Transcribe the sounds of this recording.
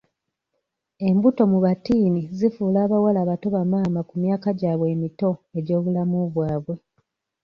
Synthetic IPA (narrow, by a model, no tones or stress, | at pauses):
e̞mbuto̞muβatiːnizifuːlaːβawalaːβato̞βamaːmakumjaːkaɟaːβwe̞ːmito̞e̞ɟo̞ːβulamuβwaːβwe̞